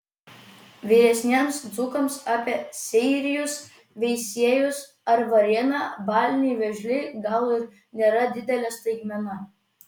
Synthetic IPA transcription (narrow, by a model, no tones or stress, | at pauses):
ʋʲiɾʲɛsʲnʲiɛmsd̪zʊkɐmsɑːpʲiɛsʲɛɪɾʲɪjʊs | ʋʲɛɪsʲiɛjʊs | ɐɾʋɐɾʲɛnɑbɑːlʲnʲijʋʲɛʒʲlʲɪɡɐlˠɪɾ | nʲeːɾɐd̪ʲɪd̪ʲɛlʲɛst̪ɐɪɡmʲɛnɐ